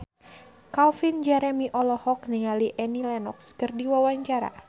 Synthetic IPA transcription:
kalfind͡ʒɛɾɛmiʔɔlɔhɔk̚niŋaliʔɛnilɛnɔkskɨrdiwawaɲt͡ʃaɾa̰

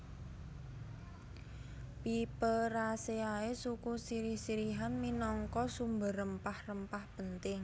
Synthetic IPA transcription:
pipəɾaseaesukusiɾihsiɾiɦanminɔŋkɔsumbə̤ɾəmpahrəmpahpənt̪ɪŋ

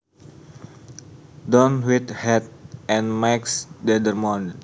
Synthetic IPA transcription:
dɔnwit̪hɛt̪̚ʔɛ̃nmaksdɛdərmɔnd

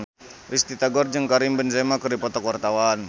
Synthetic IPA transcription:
ʔist̪it̪aɡɔrd͡ʒəŋkaɾimbənsemakərdipɔt̪ɔkwart̪awan

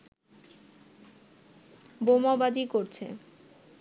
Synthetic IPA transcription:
bomabad͡ʑikoɾt͡ɕʰḛ

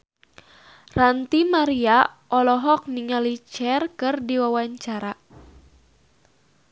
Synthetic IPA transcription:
rant̪imaɾiaʔɔlɔɦɔk̚niŋalit͡ʃɛrkɨrdiwawaɲt͡ʃaɾa

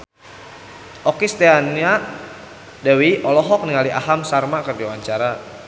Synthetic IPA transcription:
ʔɔkist̪eania | dawiʔɔlɔɦɔk̚niŋaliʔaɦamsarmakərdiwaɲt͡ʃaɾa

